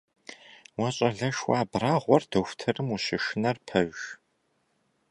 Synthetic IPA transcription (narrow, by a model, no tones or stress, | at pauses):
wɐɕʼɐɮɐʃwaːbraːʁʷɔrdɐxʷtʰɐrɨmuɕɪʃɨnɐrpʰɐɥʒ